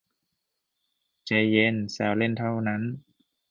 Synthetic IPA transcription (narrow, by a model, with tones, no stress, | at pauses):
t͡ɕe˧˩je˧˥˨nsɛː˨˦˩wle˥˩˨nt̪ʰa˥˩wna˦˥˨n